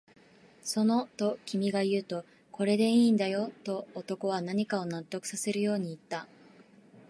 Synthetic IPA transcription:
so̞no̞t̪o̞kʲimʲiɡajɯ̟ːt̪o̞ | ko̞ɾe̞d̪e̞iːnd̪ajo̞t̪o̞ːt̪o̞ko̞β̞anaɲ̟ikao̞nat̪ːo̞kɯ̟̥sase̞ɾɯ̟jo̞ːɲ̟iːt̪ːa

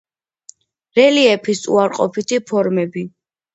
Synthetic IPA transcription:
ɾɛliɛpʰisṵaɾqʼɔ̰pʰit̪ʰipʰɔɾmɛbi

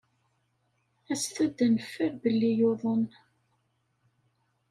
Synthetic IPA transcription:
æst̪æd̪ːænəfːəɾbəlːijoðˤən

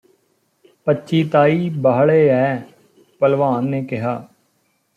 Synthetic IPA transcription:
pətːʃiːt̪aːiːbaːɦɭeːɛː | pəlʋaːnːeːkɪɦaː

